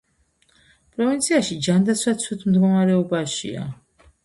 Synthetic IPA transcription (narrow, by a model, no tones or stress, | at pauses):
pʼɾɔvint̪sʰiaʃid͡ʒand̪at̪sʰwat̪sʰwit̪ʰmd̪ɡɔmaɾɛɔbaʃḭa̰